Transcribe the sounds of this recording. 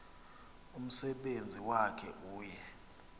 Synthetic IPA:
um̩sɛɓend͡zʱiwakʰɛʔuːjɛ

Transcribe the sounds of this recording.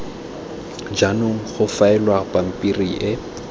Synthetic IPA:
d͡ʒanʊŋ̩χʊfaɛlwapam̩pʼiriʔɪ

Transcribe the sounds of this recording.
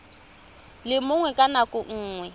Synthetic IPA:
lɪmʊŋwɛkʼanakʼʊŋ̩ːŋwɛ

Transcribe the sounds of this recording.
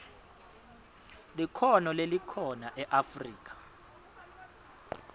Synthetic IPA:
likʰɔnɔlelikʰɔnaʔɛʔafriːk̬ʰʼḁ

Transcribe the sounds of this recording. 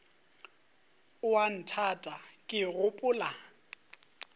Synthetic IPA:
ʊwan̩tʰatʼakʼɪɣʊpʼʊːla

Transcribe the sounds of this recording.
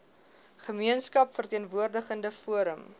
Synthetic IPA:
χəmiənskɐpfərtiənvuərdəχəndəfuəɾəm

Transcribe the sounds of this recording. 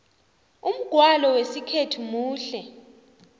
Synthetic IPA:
um̩ɡ̥ʱwalɔwesikʰetʰumuːɬɛ

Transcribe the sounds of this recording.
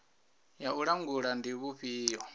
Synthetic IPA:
jauɺaŋɡuɺandiβuɸiːjɔ

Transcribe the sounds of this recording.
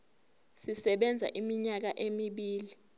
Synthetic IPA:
sisɛɓɛnd͡zʱa̰ʔimiɲak̬aʔemiɓiːli

